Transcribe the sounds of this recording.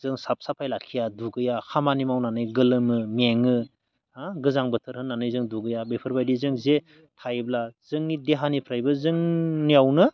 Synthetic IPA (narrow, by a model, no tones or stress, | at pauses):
zɯŋsap̚sapʰajlakʰːijaduɡɯjakʰamanimawnanɯjɡɯlɯmɯmeŋɯ | aɡɯzaŋbɯtʰɯɾhɯnːanɯjzɯŋduɡɯjabepʰɯɾbajdizɯŋze | tʰajblaz̥ɯŋnideɦanipʰɾajbɯzɯŋniawnɯ